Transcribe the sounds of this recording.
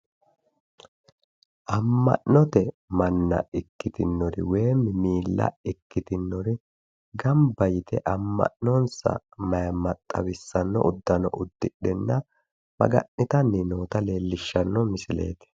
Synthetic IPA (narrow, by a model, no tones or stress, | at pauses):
ʔɐmːɐ̰ʔɔt̪ɛ | mɐnːɐ̰ɪkːɪt̪ɪnːɔɾɪ̰we̞ːmɪmiːlːɐ̰ɪkːɪt̪ɪnːɔɾɪ | ɡɐmbɐjɪt̪ɛʔɐmːɐ̰ʔnɔnsɐ̰mɐjɐmɐt̪ʼːɐ̰wɪsːɐnːɔ̰ʔʊd̪ːɐnɔ̰ʔʊd̪ːɪɗɛnːɐ | mɐ̰ɡɐ̰ʔnɪt̪ɐnɪnoːt̪ɐle̞ːlːɪʃːɐnːɔmɪsɪle̞̰ːt̪ɛ̥